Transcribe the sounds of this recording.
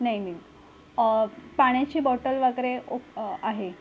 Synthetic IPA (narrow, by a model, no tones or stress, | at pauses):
naimi | paɳ̃jat͡ɕiːbɔʈəlʋaɡɾeoaɦe